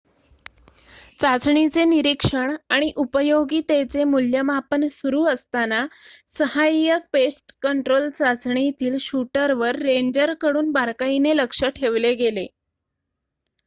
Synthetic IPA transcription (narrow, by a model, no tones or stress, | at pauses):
t͡sat͡sɳit͡seniɾikʂəɳaɽ̃iʔupəjoɡiːt̪et͡semuljəmapənsuɾuːəst̪anasəhajək̚pesʈkəɳʈɾolt͡sat͡sɳit̪iːlɕuʈəɾʋəɾːeɲd͡ʑəɾkəɽuːnbaɾkaineləkʂəʈʰeʋleɡele